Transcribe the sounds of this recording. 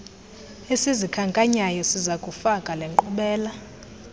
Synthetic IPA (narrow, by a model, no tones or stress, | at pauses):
esizikʰaŋkʼaɲajɔsizakʼufakʼalɛŋǃuɓɛːla